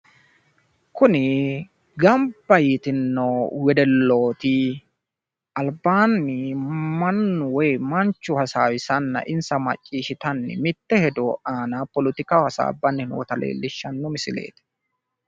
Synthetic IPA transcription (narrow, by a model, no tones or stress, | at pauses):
kʊnɪ | ɡɐmbːɐjit̪ɪnːowɛd̪ɛlːoːt̪ɪ | ʔɐlbaːnːɪmɐnːʊwɔjmɐnt͡ʃːʊhɐsaːwɪsɐnːɐ̰ʔɪnsɐmɐ̰t͡ʃʼːiːʃɪt̪ɐnːɪ̰mɪt̪ːɛhɛd̪ɔʔaːnapɔlɪt̪ɪkawhɐsa̰ːbːɐnːhɪnwɔt̪ɐlḛːlːɪʃːɐnːɔmɪsɪlḛːt̪